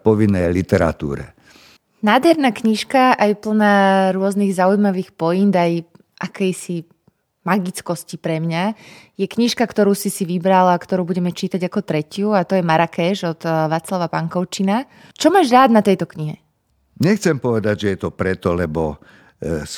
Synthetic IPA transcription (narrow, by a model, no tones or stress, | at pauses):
pɔʋinːɛjlit̪ɛɾa̰t̪ṵːɾɛ̰ | naːd̪ɦɛɾnaːkɲiʃkaʔajpl̩naːɾʊɔzniɣzaujmaʋiːxpɔjind̪aj | ʔakɛjsi | maɡit͡skɔscipɾɛmɲajɛkɲiʃkakt̪ɔɾuːsisiʋibɾalakt̪ɔɾuːbuɟɛmɛt͡ʃiːt̪aɟakɔt̪ɾɛcɪuat̪ɔjɛmaɾakɛːʒɔd̪ʋaːt͡slaʋapaŋkɔʊt͡ʃina | t͡ʃɔmaːʒɾaːd̪nat̪ɛjt̪ɔkɲiɦɛ | ɲɛxt͡sɛmpɔʋɛd̪aɟʒɛjɛt̪ɔpɾɛt̪ɔlɛbɔ | s